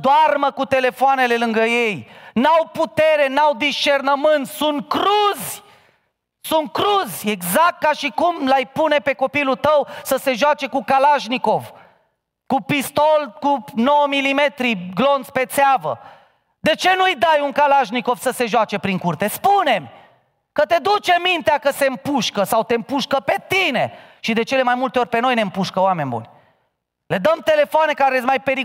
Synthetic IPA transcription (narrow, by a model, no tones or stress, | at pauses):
d̪oarməkut̪e̞le̞foane̞le̞lɨŋɡəjejnawput̪e̞ɾe̞nawd̪iʃt͡ʃernəmɨnt̪sʲsunt̪̚kɾuzʲ | sunt̪̚kɾuzʲeɡzak̚t̪̚kaʃikumlajpune̞pe̞ko̞pilut̪əwsəse̞ʒoat͡ʃe̞kukalaʃniko̞v | kupist̪o̞lkuno̞wəmilime̞t̪ɾiɡlo̞nsʲpe̞t̪seavə̰ | d̪e̞t͡ʃe̞nujd̪ajuŋkalaʒniko̞vsəse̞ʒoat͡ʃe̞pɾiŋkurt̪e̞spune̞m | kət̪e̞d̪ut͡ʃe̞mint̪eakəse̞ɨmpuʃkəsawt̪e̞mpuʃkəpe̞t̪ine̞ʃid̪e̞t͡ʃe̞le̞majmult̪eorʲpe̞no̞jne̞ɨmpuʃkəoame̞nʲbṵnʲ | le̞d̪əmt̪e̞le̞foane̞kaɾet̪sʲmajpe̞ɾi